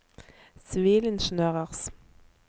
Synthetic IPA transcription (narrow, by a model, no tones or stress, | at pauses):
sʋeːlɪnʃənøːʁəʁs